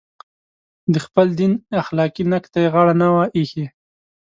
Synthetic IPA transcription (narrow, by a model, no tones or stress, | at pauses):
d̪əxpəld̪inaxlɑkinakt̪ajeɣɑɽanawaʔihe